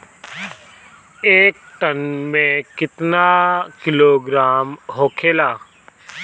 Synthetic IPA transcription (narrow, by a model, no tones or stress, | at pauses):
eːk̚ʈənmẽkɪt̪nakɪloːɡɾaːmɦoːkʰeːlaː